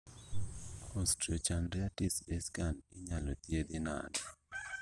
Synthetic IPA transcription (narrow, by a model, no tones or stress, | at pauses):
ɔstɾɔt͡ʃanɾiatisbɛskanɪɲalɔt̪jed̪ɪna̰nɔ